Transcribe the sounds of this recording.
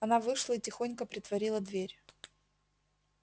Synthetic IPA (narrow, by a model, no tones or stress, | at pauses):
ɐnavɨʂlˠəitʲɪxonʲkəpɾʲɪt̪vɐɾʲilˠəd̪vʲeɾʲ